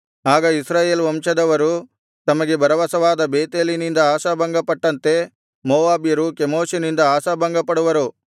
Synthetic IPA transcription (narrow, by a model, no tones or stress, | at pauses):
aːɡɐisɾaːjeːlʋɐmʂɐd̪ɐʋɐɾu | t̪ɐmɐɡebɐɾɐʋɐsɐʋaːd̪ɐbeːt̪eːlinind̪ɐaːʃɐbɐŋɡɐpɐʈːɐnt̪e̞ | moːaːbjɐɾukemoːʃɐnind̪ɐaːsɐbɐŋɡɐpɐɽuʋɐɾu